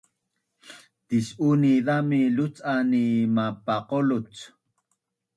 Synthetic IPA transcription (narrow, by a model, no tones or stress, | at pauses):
t̪isuniðamilut͡sʼanimapaqolut͡s